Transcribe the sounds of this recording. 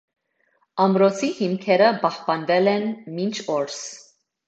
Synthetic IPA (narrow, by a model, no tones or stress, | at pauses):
ɑmɾɔt͡sʰihimkʰɛɾəbɑhpɑnvɛlɛnmint͡ʃʰɔɾs